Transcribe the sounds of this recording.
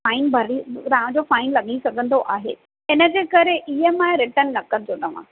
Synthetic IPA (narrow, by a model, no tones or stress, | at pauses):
faːɪnbʱɐɾit̪aɦãd͡ʑofaːɪnlɐɠisɐɡʱə̃nd̪oʔaːɦḛː | ɪnəd͡ʑeːkɐɾeʔiɦəmãɾɪʈənːɐkənɪt̪ot̪ɐʋ̤ã̰ː